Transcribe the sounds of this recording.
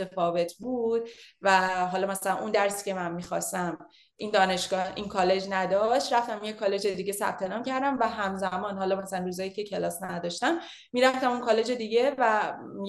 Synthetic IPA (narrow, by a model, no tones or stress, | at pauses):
t̪efɒːve̞t̪ʰbuːd̪̚væɦɒːlɒːmæsælænund̪æɾsi̥ce̞mænmiːxɒ̰st̪æm | ʔiːnd̪ɒːne̞ʃɡɒːhḭnkʰɒːle̞d͡ʒnæd̪ɒʃt̪ɾæft̪æmjekʰɒle̞d͡ʒe̞d̪iːɡɟe̞sæ̰b̥̚t̪ʰe̞nɒːmcæɾd̪æmvæɦæmzæmɒːnhɒːlɒːmæsælænruːzɒːjice̞cʰe̞lɒːsnæd̪ɒʃt̪æm | miːɾæft̪æmunkʰɒle̞d͡ʒe̞d̪iɟevæ